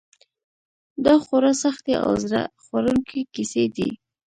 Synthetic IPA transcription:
d̪ɑxwoɾɑsaxt̪eʔa̰wzɾa̰xwaɾuŋkʰikised̪ḭ

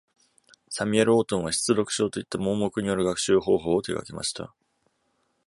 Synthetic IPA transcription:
samʲieɾɯ̟o̞ːt̪õ̞ɰ̃βaɕi̥t͡sɨɾo̞kɯ̟̥ɕo̞ːt̪o̞it̪ːamo̞ːmo̞kɯ̟ɲ̟ijo̞ɾɯ̟ɡakɯ̟̥ɕɨːɦo̞ːɦo̞ːt̪eɡa̰ke̞ma̰ɕi̥t̪a̰

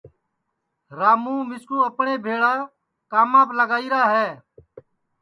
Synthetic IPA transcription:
ɾaːmũːmɪskuːəpɳeːbʱeːɽaː | kaːmãːpləɡaːiːɾaːɦɛː

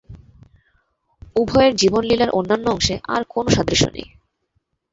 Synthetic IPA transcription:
ubʱɔeɾd͡ʑibonlilaɾʔonːanːoɔŋʃeʔa̰ɾkonoʃad̪ɾiʃo̰nḛj

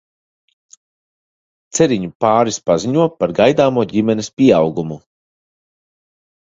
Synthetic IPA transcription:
t̪sɛɾiɲupaːɾispaziɲuɔpaɾɡajd̪aːmuɔɟimɛnɛspʲiɛawɡumu

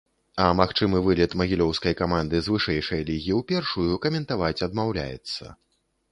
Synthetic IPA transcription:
ɐmaxt͡ʂɨmɨvɨlʲɛt̪mɐɣʲilʲɔwskɐjkamand̪ɨzvɨʂɛjʂɐɛjlʲiɣʲiwpʲɛrʂujukɐmʲɛnt̪avat͡sʲɐd̪mawlʲa̰jɛ̰t̪sːɐ̰

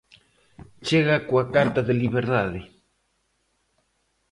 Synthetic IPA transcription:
t͡ʃeɣakʷakaɾt̪aðeliβeɾðaðe

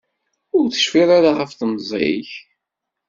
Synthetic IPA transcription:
ʊɾθə̥ʃfiɾaɾaχəfθmzˤḛç

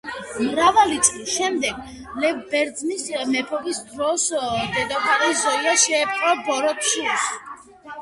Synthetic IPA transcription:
mɾavalit̪sʼlisʃɛmd̪ɛɡ̥ | lɛvbɛɾd̪znismɛpʰɔbisd̪ɾɔsd̪ɛd̪ɔpʰaɾɛzɔiaʃɛːpʼqʼɾɔbɔɾɔt̪ʃuls

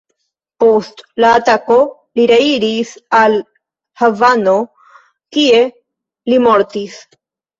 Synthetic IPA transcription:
po̞stlaːtako̞ | liɾeiɾisal | havano̞ | kie̞ | limo̞ɾtis

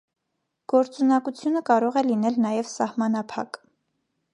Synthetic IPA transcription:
ɡ̥ɔɾt͡sunɑkut͡sʰjunəkɑɾɔʁɛlin̪ɛlnɑjɛvsɑhmɑnɑpʰɑ̰k

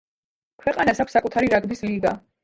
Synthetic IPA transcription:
kʰwɛqʼanasakʰʷsːakʼut̪ʰaɾiɾaɡbisliɡa

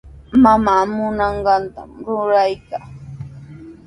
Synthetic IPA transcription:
mamaːmʊnɑɴɢɑnt̪a̰mɾʊɾajkaː

